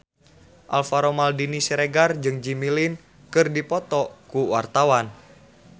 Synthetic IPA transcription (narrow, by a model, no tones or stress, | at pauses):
ʔalfaɾomaldinisiɾeɡard͡ʒɨŋd͡ʒimilin | kɨrdipɔt̪ɔkuwa̰rt̪awan